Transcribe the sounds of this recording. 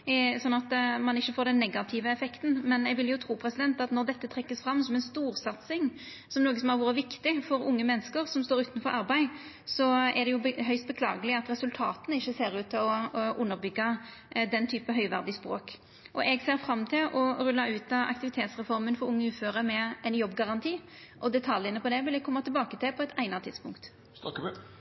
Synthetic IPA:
sɔnːɑt̪mɑnɪçːəfoːɾd̪ɛnːɛɡɑt̪ʰɪʋəɛfɛkt̪n̩mɛnɛɡʋɪljʊt̪ʰɾuːpʰɾɛsɪd̪ɛnt̪ɑt̪nɔɾd̪ɛt̪ːət̪ʰɾɛkːəsfɾɑmːsɔmɛnst̪uːɾsɑt̪sɪŋ | sɔmnoːɡəsɔmhɑɾʋuːɾəʋɪkt̪ɪfɔɾʊŋːəmɛnːəskəɾsɔmst̪oːɾʉːt̪nfɔɾʔɑɾbæɪ | sɔæd̪ɛjʊɦœʏst̪̚bəkʰlɑ̰ːɡəlɪɑt̪ɾɛsʉlt̪ʰɑ̰ːt̪ənəɪçːəseːɾʉːt̪ʰːɪlɔʔʊnːəɾbʏɡːɑd̪ɛnt̪ʰyːpəɦœʏʋæʁd̪ɪspɾo̰ːk | ʔɔʔɛɡseːɾfɾɑmːt̪ʰɪlʔɔɾʉlːɑʉːt̪ɑɑ̰kt̪ɪʋɪt̪ʰeːt̪sʁɛfɔɾmənfɔɾʊŋːəʉːføːɾəmɛɛɪnjɔbːɡɑʁɑnt̪ʰiː | ʔɔd̪ɛt̪ʰɑljənəpʰɔd̪ɛʋɪlɛkʰɔmːɑt̪ʰɪlbɑːkət̪ʰɪlpʰɔɛt̪ʰæɪnɑt̪ʰɪd̪spʊŋkt̪

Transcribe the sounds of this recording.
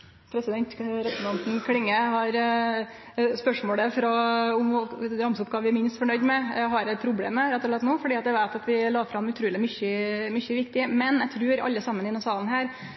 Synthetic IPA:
pʰɾɛsɪd̪ɛnt̪ɾɛsnɑnt̪n̩kʰlɪŋːəhɑɾ | spœʂmoːɽəfɾɑʊmɾɑmsʊpɡɑːʋɪɾmɪnst̪fɔɳœʏd̪mɛɦɑɾæɪpʰɾʊblḛːməɾɛt̪ːɔɭɛt̪noːfɔɖiːɑt̪djæʋæɪt̪ɑt̪ʋɪlɑːfɾɑmʉt̪ʰɾʉːlɪmʏçəmʏçəʋɪk̚t̪ɪmɛnjæt̪ʰɾʉːɾɑ̰lːəsɑmːənɪd̪ɛnsɑːln̩hæːɾ

